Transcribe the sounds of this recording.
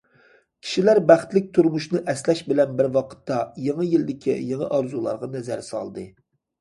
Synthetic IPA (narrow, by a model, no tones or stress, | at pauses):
kʲʰi̥ʃilæɾbæχt̪lɪk̚ʲt̪ʰuɾmuʃnɨʔɛslɛʃbɪlɛnbɪɾwɑqʰə̥t̪ːɑjeŋɨjilɪd̪ɪkʲʰḭjeŋɨʔɑɾzulˠɑ̰ɾʁɑnɛzæɾsɑ̰lˠd̪ɨ